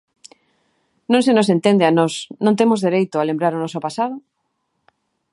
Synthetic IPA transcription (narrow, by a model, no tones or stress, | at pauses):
nõŋsenosent̪end̪eanɔsnõnt̪emozðeɾejt̪ʊalembɾaɾonɔsopasað̞o